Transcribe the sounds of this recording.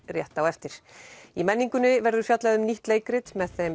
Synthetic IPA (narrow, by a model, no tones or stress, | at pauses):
rjɛht̪awɛft̪ɪɾ̥imɛnːiŋkʏnʏvɛɾðʏ̥fjat̪laðʏmniht̪leːjkɾɪt̪mɛðθɛm